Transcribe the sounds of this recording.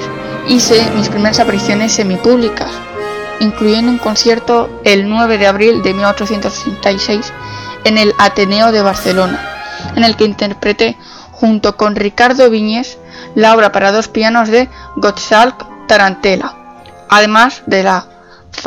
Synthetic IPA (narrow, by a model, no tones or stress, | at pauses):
iθemispɾime̞ɾasapaɾiθjo̞ne̞sːe̞mipuβlikas | iŋkluʝe̞nd̪uŋkõ̞nθje̞ɾt̪o̞ | e̞lnwe̞β̞e̞ðeaβɾild̪e̞milot͡ʃo̞θje̞nt̪ossent̪ajse̞jse̞ne̞lat̪e̞ne̞oðe̞β̞aɾθe̞lo̞naene̞lkeint̪e̞ɾpɾe̞t̪e̞ | xunt̪o̞ko̞nrikaɾðo̞β̞iɲe̞θ | lao̞β̞ɾapaɾað̞o̞spiano̞zðe̞ɣot̪salkt̪aɾant̪e̞la | aðe̞mazðe̞la